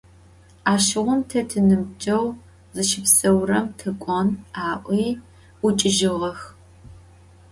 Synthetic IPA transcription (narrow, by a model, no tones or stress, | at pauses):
aːʃɪʁʷʊmtʰɐtʰɨnɨmt͡ʃʼɐw | zɨʃɪpsɐwɾɐmtʰɨkʷʼɔnaːʔʷiːjʷ | ʊt͡ʃʼɪʒɪʁɐx